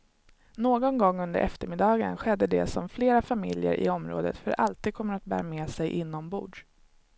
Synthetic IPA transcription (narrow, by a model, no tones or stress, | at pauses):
noːɡɔnɡɔŋːɵnd̪ə̰ʔɛ̰ft̪əɾmɪd̪ɑːɡə̰nɧɛd̪ːəd̪ɛ̰sɔmfleːɾafamɪ̰ljə̰ɾʔɪ̰ɔmɾo̰ːd̪ə̰t̪fœɾʔa̰lt̪iːd̪̚kʰɔmːəɾat̪̚bæ̰ːɾameːsɛjʔɪnːɔmbṵːɖ